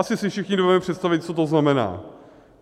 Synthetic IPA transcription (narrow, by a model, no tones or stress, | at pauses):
sɪsɪfʃɪxɲɪdovɛmɛpr̝̥ɛt̪st̪avɪt̪̚t͡sot̪̬oznamɛna̰ː